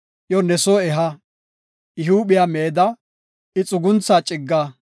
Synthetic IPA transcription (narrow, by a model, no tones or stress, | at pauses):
ʔjɔnɛsoɛɦɐ | ʔɪɦuːɓɪjameːd̪ɐ | ɪt͡sʼʊɡʊnt͡sːaːt͡ʃʼɪɡːa